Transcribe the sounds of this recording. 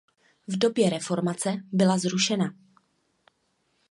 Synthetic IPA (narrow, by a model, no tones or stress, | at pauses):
vdo̞bjɛɾɛfo̞ɾmat͡sɛbɪlazɾuʃɛna